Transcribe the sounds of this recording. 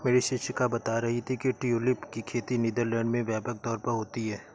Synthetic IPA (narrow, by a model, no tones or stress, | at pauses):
meːɾiʃɪʃəkabɐt̪aɾɐɦit̪ʰikiʈiulɪpkikʰeːt̪iniːd̪əɾlɛ̃ːɳɖmẽʋjɛːpək̚t̪ɔːɾpɐɾɦoːt̪iɦɛː